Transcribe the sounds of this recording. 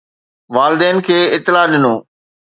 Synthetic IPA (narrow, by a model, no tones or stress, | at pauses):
ʋaːlɪd̪ɛːnkʰeːɪt̪ːɪlaɗɪnoː